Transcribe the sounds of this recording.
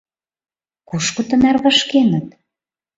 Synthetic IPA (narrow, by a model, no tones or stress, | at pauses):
kuʃkŏt̪ə̆nærβɑʃkenə̆t̪̚